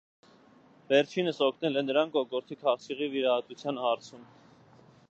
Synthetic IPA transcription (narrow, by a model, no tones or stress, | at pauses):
vɛɾt͡ʃʰinəsɔkʰnɛlɛnːəɾɑŋkɔkɔɾt̪ʰikʰɑχt͡sʰiʁiviɾɑɦɑt̪ut͡sʰjɑnhɑɾt͡sʰum